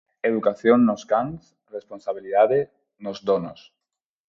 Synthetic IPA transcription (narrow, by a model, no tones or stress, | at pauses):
eðukaθjoŋnoskaŋs | responsaβiliðaðe | nozdonos